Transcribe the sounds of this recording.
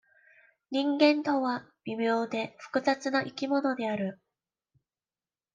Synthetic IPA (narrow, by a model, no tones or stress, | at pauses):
ɲ̟ĩŋɡẽ̞nt̪o̞βab̥ʲimʲjo̞ːd̪e̞ɸɯ̥kɯ̟zat͡sɨnaʔikʲimo̞no̞d̪e̞aɾɯ̟